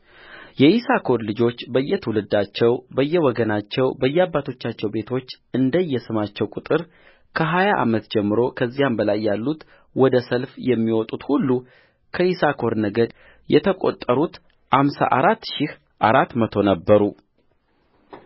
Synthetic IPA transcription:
jɛʔisakʰo̞ɾlɨd͡ʒo̞t͡ʃːbəjːɛt̪ʰəwulɨd̪at͡ʃːɛwbəjːɛwɔɡənat͡ʃːɛwbəjːɛabːat̪ʰo̞t͡ʃːat͡ʃːɛwbe̞t̪ʰo̞t͡ʃː | ɨnd̪əjːɛsɨmat͡ʃːɛwkʼut̪ʼɨɾ | kʰəɦajaʔa̰mət̪d͡ʒɛmːɨɾokʰəzːijambəlajːalːut̪ | wɔd̪əsəlfjɛmːiwɔt̪ʼut̪hulːu | kʰəisakʰo̞ɾnəɡəd̪ | jɛt̪ʰəkʼo̰t̪ʼːəɾut̪ | hamsa̰ʔaɾat̪ːʃɪh | ʔaɾat̪mət̪ʰo̞nəbːəɾu

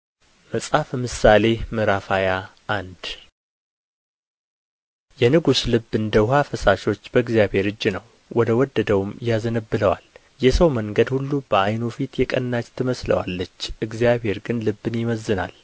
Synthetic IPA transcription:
məsʼhafmɨsale̞mɨɾafaja | ʔand̪ | jɛnɨɡuslɨbːɨnd̪əwɦafəsaʃo̞t͡ʃːbəɨɡzjabhe̞ɾɨd͡ʒːinəw | wɔd̪əwɔd̪ːəd̪əwumjazənəbːɨləwal | jɛsəwməŋɡəd̪hulːub̥əajnofit̪jɛkʼənːat͡ʃt̪ʰɨməslə̰wa̰lːət͡ʃːʔɨɡzjaβhe̞ɾɡɨnlɨbːɨnjɪməzːɨna̰l

